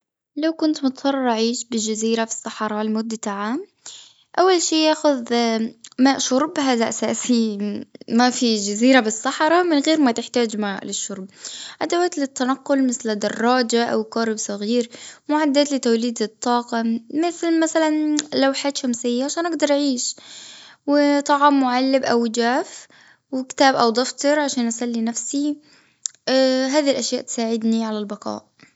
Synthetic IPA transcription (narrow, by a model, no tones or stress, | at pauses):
lawkʊnt̪mʊt̪sˤɑrˤʔaʕiːʃbɪd͡ʒaziːɾafi̥sˤːɑħɾˤɑlmʊd̪ːat̪aʕaːm | ʔawːalʃiːjaːxʊð | maːʔʃʊɾˤbɦaːðaʔasaːsi | mafid͡ʒaziːɾabɪsˤːɑħɾˤɑmɪnɣeːɾmat̪ɪħt̪aːd͡ʒmaːʔlɪʃːʊɾˤb̚ʔad̪awaːt̪lɪt̪ːanaqːʊlmɪθld̪ɑrˤːɑːd͡ʒaʔa̰wkaːɾɪbsˤɑɣiːɾmʊʕad̪ːaːt̪lɪt̪awliːd̪ɨt̪ˤːɑːqɑmɪθlmasalanlawħaːt̪ʃamsɪjːaʕaʃaːnʔaɡd̪ɑɾˤʔaʕiːʃ | wɪt̪ˤɑʕɑmːʊʕalːɪbʔawd͡ʒaːf | wɪkt̪aːbʔawd̪ˤɑft̪ˤɨɾˤʕaʃaːnʔasalːinafsi | ɦaːðiilʔaʃjaːʔt̪saːʕɪd̪niʕalalbɑqɑ̰ːʔ